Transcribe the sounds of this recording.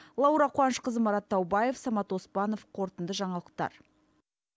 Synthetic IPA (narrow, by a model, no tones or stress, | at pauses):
lˠɑwɾɑqʰwɑnʃqəzəmɑɾɑt̪ʰːɑwbɑje̞fsɑmɑt̪wo̞spɑno̞fqʰo̞ɾt̪ənd̪əʒɑɴɑlˠəq̚t̪ɑ̰ɾ